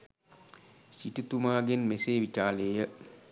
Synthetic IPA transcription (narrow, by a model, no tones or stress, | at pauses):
siʈit̪umaːɡenmeseːʋit͡ʃaːleːjə